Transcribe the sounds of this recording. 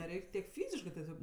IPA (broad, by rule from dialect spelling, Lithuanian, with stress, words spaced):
nʲɛˈrʲɛɪkʲ tʲiɛk ˈfʲiːzʲɪʃkɜ tʲɛˈsʲoːk